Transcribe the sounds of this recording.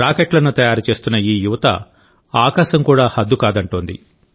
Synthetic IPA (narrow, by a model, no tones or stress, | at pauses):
ɾaːkeʈlɐnut̪ɐjaːɾut͡ʃe̞ːst̪unːɐiːjuʋɐt̪ɐ̰ | aːkaːʃɐmkuːɽaːhɐd̪ːukaːd̪ɐɳʈoːnd̪ḭ